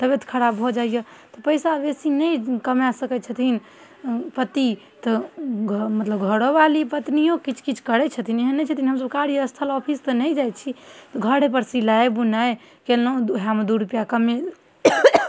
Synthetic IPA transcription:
t̪əbet̪ʰkʰəɾabbʱod͡ʒaijə | t̪ɔpəjsabesinəjkəmjasəkɛt͡ʃʰət̪ʰin | pət̪i | t̪ɔɡʱmət̪ləbɡʱəɽobalipət̪nijõkit͡ʃʰkit͡ʃʰkəɾɛt͡ʃʰət̪ʰineɦənːɛt͡ʃʰət̪inɦəmsəb̚kaɾijəst̪ʰəlɔpʰist̪ənəjd͡ʒajt͡ʃʰit̪ɔɡʱəɽep̬əɾsilaebunae | kelnoɦamd̪uɾupjakəme

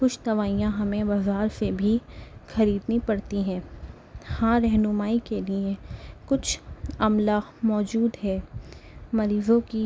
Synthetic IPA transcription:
kʊt͡ʃʰt̪ɐʋaːijãɦɐmẽbɐzaːɾsebʱixɐɾiːd̪nipɐɽt̪iɦɛ̃ː | hãɾɛɦnʊmaːikeliekʊt͡ʃʰɐmlamɔːd͡ʒuːd̪ɦɛː | mɐɾiːzõki

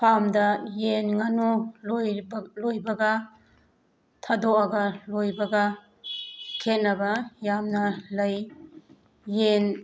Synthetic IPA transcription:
pʰamdɐjenŋanullojbɐɡɐ | tʰadɔʔaɡɐlojbɐɡɐ | kʰet̚nɐbɐjamnɐlɐj | en

